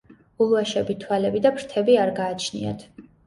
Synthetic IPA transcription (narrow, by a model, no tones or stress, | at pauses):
ulˠuaʃɛbit̪ʰwalɛbid̪abɾt̪ʰɛbiaɾɡaːt͡ʃʰnḭa̰t̪ʰ